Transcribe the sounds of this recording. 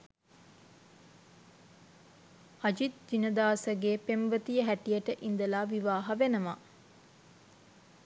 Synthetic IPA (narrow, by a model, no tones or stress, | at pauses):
ɐd͡ʒit̪̚d͡ʒinəd̪aːsəɡeːpemʋət̪ijəɦæʈijəʈəʔind̪əlaːʋiʋaːɦaʋenəma